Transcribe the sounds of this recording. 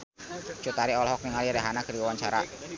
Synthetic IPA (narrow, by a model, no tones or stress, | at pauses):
t͡ʃut̪aɾiɔlɦɔk̚niŋalidaɦanakəɾiwawaɲt͡ʃaɾa̰